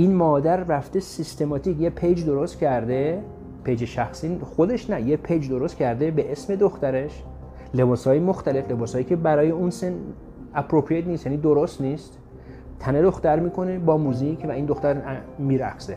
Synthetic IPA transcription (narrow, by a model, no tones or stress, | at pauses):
ʔinmɒːd̪æɾræft̪esist̪e̞mɒːt̪ʰikjepʰejd͡ʒd̪o̞ɾost̪̚cʲʰæɾd̪e̞ | pʰejd͡ʒeʃæxsiːxo̞d̪e̞ʃnæjepʰejd͡ʒd̪o̞ɾost̪cʲʰæɾd̪e̞beʔesme̞d̪oxt̪æɾe̞ʃ | le̞bɒːshɒːjemo̞xt̪æle̞fle̞bɒːshɒːjiːcʲʰe̞bæɾɒːjeunsen | æpɾopʰɾijet̪niːst̪jæːnid̪o̞ɾost̪niːst̪ | t̪ʰæne̞d̪o̞xt̪æɾmiːkʰo̞ne̞bɒːmuzikʰvæiːnd̪oxt̪æɾmiːɾæxse